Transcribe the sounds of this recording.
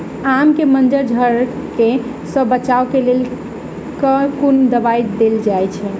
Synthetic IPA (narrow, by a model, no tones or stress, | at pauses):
amkemənd͡ʒəɾd͡ʒʱəɾ | ke | səbːət͡ʃaokelel | kəkund̪əbajd̪eld͡ʒajt͡ʃʰɛ